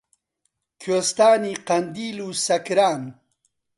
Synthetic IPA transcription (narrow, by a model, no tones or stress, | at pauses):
kʰoːst̪aːniːqɐnd̪iːluːsɐkɾaːn